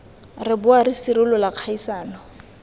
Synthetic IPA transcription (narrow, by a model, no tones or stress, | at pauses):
rɪbʊaɾisiɾʊlʊlaq͡χʰaisaːnɔ